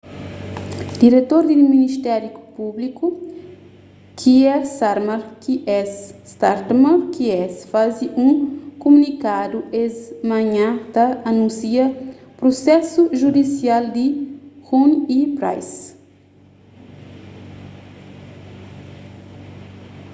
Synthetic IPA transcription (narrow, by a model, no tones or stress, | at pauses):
d̪iɾet̪oɾd̪iiminiʃt̪ɛɾupubliku | kʰiɛsaɾmɐɾkiʔɛsːt̪aɾt̪mɐɾkiɛsfaziʔũkomunikad̪uezmɐ̃ɲãt̪ɐɐnũsiɐpɾosɛsuʒud̪isiald̪ihunipɾa̰js